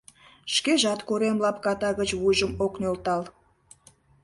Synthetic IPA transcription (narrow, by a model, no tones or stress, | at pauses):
ʃkeʒɑt̪koɾemlɑpkɑt̪ɑɣət͡ɕβuʒəmoknolt̪ɑl